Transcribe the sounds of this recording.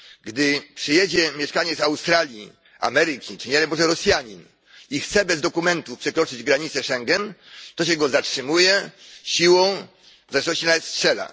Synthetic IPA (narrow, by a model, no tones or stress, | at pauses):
ɡd̪ɘpʂɘjɛd͡ʑɛmʲjɛʂkaɲɛt̪sawst̪ɾalʲjḭ | a̰mɛɾɘkʲit͡ʂɘɲɛlɛbɔʐɛɾɔsʲjaɲin | ixt̪sɛbɛzd̪ɔkumɛnt̪ufpʂɛkɾɔt͡ʂɘd͡ʑɡɾaɲit̪sɛʂɛŋɡɛnt̪ɔɕɛɡɔzatʂɘmujɛɕiwɔ̃w̃ | vzaʂnɔɕt͡ɕinat̪stʂɛla̰